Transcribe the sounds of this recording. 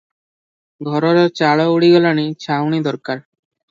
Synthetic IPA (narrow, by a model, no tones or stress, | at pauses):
ɡʱɔɾɔɾet͡ɕaɭɔuɽiɡɔlanit͡ɕʰawnid̪ɔɾkaɾ